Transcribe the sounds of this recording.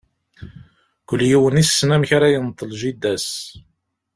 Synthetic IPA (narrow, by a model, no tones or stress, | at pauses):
kʷəlːjiwənisːnæmçaɾæjənt̪ˤːəlʒid̪æs